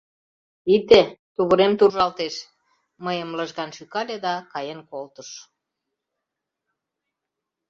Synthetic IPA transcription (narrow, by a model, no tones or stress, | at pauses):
it̪et̪uβəɾemt̪uʒɑlt̪eʃ | məjəmləʒɣɑnʃykɑlʲed̪ɑkɑjenkolt̪əʃ